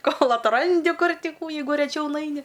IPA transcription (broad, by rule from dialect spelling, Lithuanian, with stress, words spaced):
ˈkoːlˠ ɐtˈrɐnʲdʲɪ ˈkʊr ˈtʲɪ ˈkuː ˈjɛɪɡʊ rʲɛˈt͡ʃʲɛʊ ˈnɐɪnʲɪ